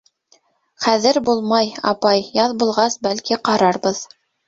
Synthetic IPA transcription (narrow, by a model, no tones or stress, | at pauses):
χæðɘɾbulˠmɑjɑ̰pɑjjɑðbulˠʁɑsbælkiqɑɾɑɾbɤð